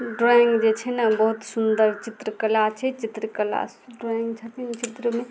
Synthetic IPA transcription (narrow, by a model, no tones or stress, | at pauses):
ɖɾaŋɡd͡ʒet͡ʃʰɛnəbəɦut̪sund̪əɾt͡ʃit̪ɾəkəlat͡ʃʰɛt͡ʃit̪ɾəkəla̰sɖɾaŋɡt͡ʃʰət̪int͡ʃit̪ɾəme